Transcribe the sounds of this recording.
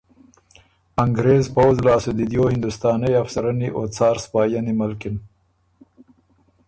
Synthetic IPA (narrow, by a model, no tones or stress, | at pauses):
aŋɡɾeːzpawzlɑːsud̪id̪joːhɪnd̪ust̪ɑːnajafsaɾaniʔot͡sɑːɾspɑːjanimalkɪn